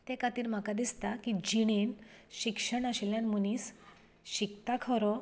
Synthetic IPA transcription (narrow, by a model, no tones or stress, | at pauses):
t̪ekat̪iːɾm̤akad̪ist̪akid͡ʑiɽ̃enɕikʂəɳaɕeljanmunis | ɕikt̪akʰɔɾɔ